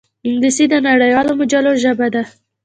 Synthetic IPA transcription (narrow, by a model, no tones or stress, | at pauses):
ɪŋɡlisid̪ənaɽəjwɑlomʊd͡ʒaloʒabad̪a